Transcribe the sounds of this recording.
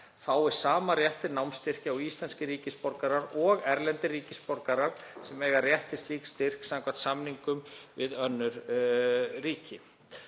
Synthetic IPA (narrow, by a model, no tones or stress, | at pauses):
faːwɪsaːmaɾjɛht̪ɪnawmst̪ɪr̥cɪawist̪lɛnscɪɾiːcɪspɔɾkaɾaɾɔɣɛɾlɛnt̪ɪriːcɪspɔɾkaɾaɾ̥sɛmɛːɣarjɛht̪ɪst̪liːkst̪ɪr̥ksaŋkʰvḁt̪samniŋkʏmvɪðœnːʏɾ | riːcɪ